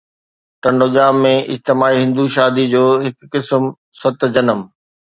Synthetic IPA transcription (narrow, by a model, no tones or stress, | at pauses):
ʈɐ̃ɳɖoːʄaːmːẽʔɪ̰d͡ʑt̪ɪmaːiɦɪ̃nd̪uʃaːd̪id͡ʑoːɦɪkːɪsm | sɐt̪̆d͡ʑɐnəm